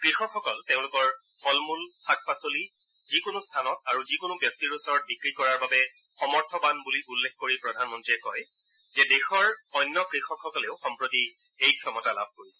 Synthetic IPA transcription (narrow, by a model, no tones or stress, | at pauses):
kɹixɔkxɔkɔlteʊ̃lʊkɔɹ | xɔlmulxak̚pasoli | zikonustʰanɔtaɹuzikonʊbjɔk̚tiɹusɔɹɔt̚bikɹikɔɹaɹbabɛ | xɔmɔɹtʰɔbanbuliulːexkoɹipɹɔdʱanmɔntɹiɛkɔj | zɛdexɔɹɔjnːɔkɹixɔkʰxɔkɔleʊxɔmpɹoti | ejkʰiɔmɔtala̰b̚ʱkoɹisɛ̥